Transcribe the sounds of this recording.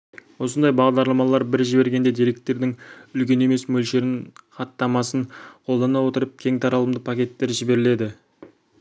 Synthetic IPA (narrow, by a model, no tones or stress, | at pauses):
wo̞sənd̪ɑjbɑʁd̪ɑɾlˠɑmɑlˠɑɾbɪɾʒɪbe̞ɾɡʲe̞nd̪e̞d̪ijɾe̞k̚t̪ːe̞ɾd̪ɪŋʏlkʲe̞ne̞me̞smɵlʃe̞ɾɪɴχɑt̪ːɑmɑsəɴqʰo̞lˠd̪ɑnɑwo̞t̪əɾəp̚kʲʰe̞ŋt̪ʰɑɾɑlˠəmd̪əpʰakʲe̞t̪ːe̞ɾʒɪbe̞ɾɪle̞d̪ɪ